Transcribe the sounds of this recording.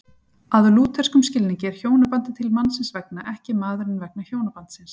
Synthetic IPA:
aðʏluːt̪ʰɛr̥skʏmscɪlnɪcɛːɾ̥çoːwnapant̪ɪt̪ʰɪlmanːsɪnsvɛknaʔɛhcɪmaːðʏɾɪnvɛk̚naçoːwnapant̪sɪns

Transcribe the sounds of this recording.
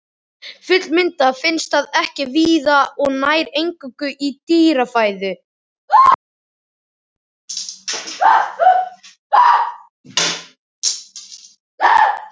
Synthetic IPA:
fʏt̪lmɪnt̪afɪnst̪θaðɛhcɪviːðaɔɣnaːjɾejŋkʏkʏʔit̪iːɾafaːjðʏ

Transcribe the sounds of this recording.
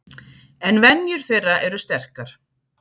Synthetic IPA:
ɛnvɛnjʏɾ̥θejraʔɛɾʏst̪ɛr̥kaɾ̥

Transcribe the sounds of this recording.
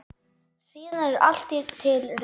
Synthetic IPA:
siːnaɾa̰l̥t̪it̪ʰɪlr

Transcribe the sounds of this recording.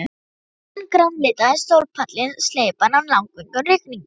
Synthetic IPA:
nkɾawmlɪːt̪aɪst̪owlpʰat̪lɪnsleːjpanamlawŋkʏŋkʏnrɪkniŋk

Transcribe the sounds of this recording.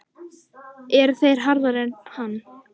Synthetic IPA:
ɛɾθejɾ̥ɦaɾðaɾɛnhanː

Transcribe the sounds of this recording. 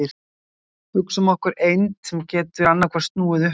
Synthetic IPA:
ɪɾ | hʏksʏmɔhkʏɾejnt̪sɛmcɛːt̪ʏɾanːakʰvɛɾst̪nuːɪðʏ

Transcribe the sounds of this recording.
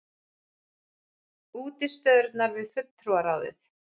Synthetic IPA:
uːt̪ɪst̪œðʏɾt̪naɾvɪðfʏt̪ːɾuaɾawðɪ̰θ

